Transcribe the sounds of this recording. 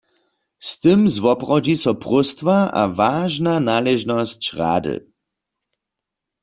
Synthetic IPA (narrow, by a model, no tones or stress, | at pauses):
st̪ɨmzʋɔpʁɔd͡ʒisɔpʁʊst̪vaʔa̰vaːʒnanaːlɛʒnɔst͡ʃʁa̰ːdɨ̰